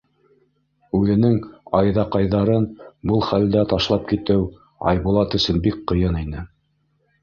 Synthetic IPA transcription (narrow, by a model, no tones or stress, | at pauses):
ʉðɘ̆nɘŋɑjðɑqɑjðɑɾɤnbɤlˠχæld̪æt̪ɑʃlˠɑp̚kit̪ɘw | ɑ̰jβulˠɑt̪ɵ̆sɵnbikqɤ̆jɤninɘ